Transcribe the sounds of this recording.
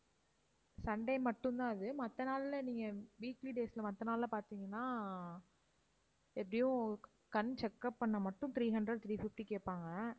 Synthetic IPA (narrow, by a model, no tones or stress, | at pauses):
sɐɳɖɐɪmɐʈːɯ̃nd̪ãːɪðɯmɐt̪ːɐnaːlɪlɐniːŋɡɐʋiːkliɖeːsɪlɐmɐt̪ːɐnaːlɪlɐpaːɾt̪iːŋɡɐnːaː | ɛpːɐɽɪjʊ̃ | kɐnt͡ʃɛkːɐpːɐɳːɐmɐʈːʊ̃nt̪ɾiːɦɐɳɖɾɐɖ̚t̪ɾiːfɪfʈikeːʈpːaːŋɡɐ